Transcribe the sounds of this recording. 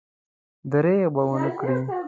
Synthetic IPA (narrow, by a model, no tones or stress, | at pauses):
d̪əɾebawənəkɽi